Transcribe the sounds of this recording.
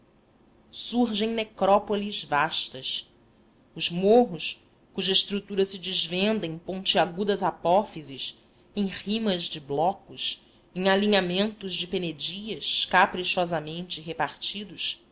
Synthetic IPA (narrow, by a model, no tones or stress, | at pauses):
suɾʒẽj̃nekɾɔpolizvaʃt̪ɐs | ʊzmoɦʊs | kuʒɐiʃt̪ɾut̪uɾɐsɪd͡ʒɪzvẽnd̪ẽj̃põnt͡ʃɪaɡud̪ɐzapɔfizis | ẽj̃ʁimɐzd͡ʒɪblɔkʊʃ | ẽj̃aliɲamẽnt̪ʊzd͡ʒɪpened͡ʒiɐʃkapɾiʃɔzɐmẽnt͡ʃɪɦepaɾt͡ʃid̪ʊʃ